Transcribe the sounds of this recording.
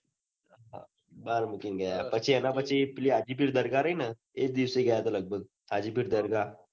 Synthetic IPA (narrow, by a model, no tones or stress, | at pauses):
a̰ | baːɾmʊkɪnɡɐjapɐtːt͡ʃʰeɛnapəːʃʰepliaːd͡ʒipʰɪɾd̪ɐɾɡaɾɐɦina | eːk̚d̪iːwseiɡɐjat̪ʰalɐɡ̚bəɡ̚ | ad͡ʒipʰɪɾd̪ɐɾɡa